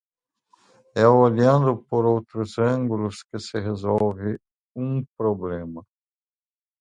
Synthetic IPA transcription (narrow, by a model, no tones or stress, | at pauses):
ɛaljɐ̃nd̪ʊpoɾowt̪ɾʊzɐ̃ŋɡulʊskɪsɪɦezɔwvɪ | ũpɾoblẽmɐ